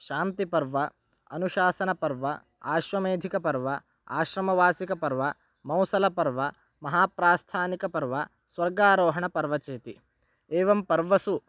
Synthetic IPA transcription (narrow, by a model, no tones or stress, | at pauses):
ʃaːnt̪ipɐɾʋɐ | ɐnuʃaːsɐnɐpɐɾʋɐ | aːʃʋɐmeːd̪ʱikɐpɐɾʋɐ | aːʃɾɐmɐʋaːsikɐpɐɾʋɐ | mɐwsɐlɐpɐɾʋɐ | mɐɦaːpɾaːst̪ʰaːnikɐpɐɾʋɐ | sʋɐɾɡaːɾɔːɦɐɳɐpɐɾʋɐt͡ʃeːt̪i | eːʋɐmpɐɾʋɐsu